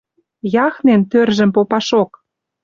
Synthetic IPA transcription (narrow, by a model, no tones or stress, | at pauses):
jɑxnent̪ørʒə̆mpopɑʃok